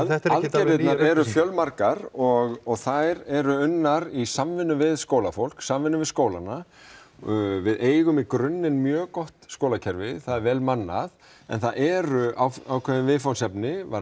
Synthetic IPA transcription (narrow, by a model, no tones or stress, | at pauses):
alc̪ɛɾvɪt̪aɾɛɾʏfjœlmaɾkaɾɔɣɔɣθajɾɛɾʏʏnːaɾisamvɪnːʏvɪðskoːwlafowl̥ksamvɪnːʏvɪðskoːwlana | vɪðeːjɣʏmikɾʏnːɪnmjœːkɔht̪skowlacʰɛɾvɪθaðɛɾvɛːlmanːa̰ð | ɛ̰nθaʔɛːɾʏʔawawkʰvɛðɪnvɪðfawnsɛpnɪva